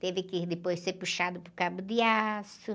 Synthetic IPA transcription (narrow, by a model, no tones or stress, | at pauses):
t̪evɪkɪd̪ɪpojsseɾpuʃad̪ʊpʊɾkabʊd̪ɪasʊ